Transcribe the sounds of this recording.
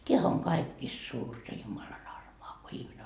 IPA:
tʲeæhæ oŋ kɑikːiːst suːrtɑ jumɑlɑn ɑrmoɑ ko ihmine

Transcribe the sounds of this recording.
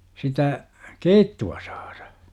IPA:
sitæ keitːuɑ sɑ̥ːr̥ɑ̥

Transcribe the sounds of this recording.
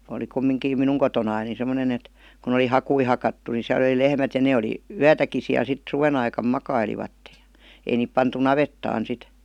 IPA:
oli kumːiŋkiːm minuŋ kotonɑin ni semːonen et kun oli hɑkui hɑkɑtːu ni siæl ə̆li lehmæt jɑ ne oli yætæki siæl sit suʋen ɑikɑm mɑkɑiliʋɑtːe j̊ɑ̥ ei niːp pɑntu nɑʋetːɑːn sit

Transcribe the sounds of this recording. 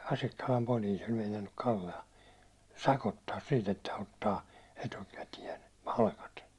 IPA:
ɑsikːɑlɑm poliːs olʲ meinɑnːuk kɑlːeɑ sɑkotːɑːs siːt etːæ otːɑː etukætiɛn̞ pɑlkɑt

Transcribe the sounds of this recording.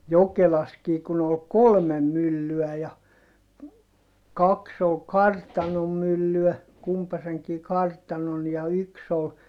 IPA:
jokelɑskiː kun ol kolmem mylːyæ jɑ kɑks ol kɑrtɑnom mylːyæ kumpɑseŋkiː kɑrtɑnon jɑ yks ol

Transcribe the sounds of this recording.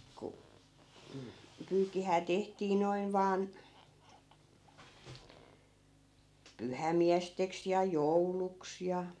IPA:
ku m̩ pyːkːihæː tehtiː noin ʋɑːn pyhæmiæsteks jɑ jouluks jɑ

